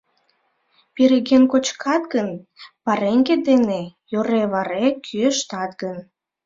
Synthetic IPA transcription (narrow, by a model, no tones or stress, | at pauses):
piɾeɣenkot͡ɕkʰɑt̪̚ɡənpɑɾeŋɡed̪enejoɾeβɑɾekʰyəʃt̪ɑt̪ɡən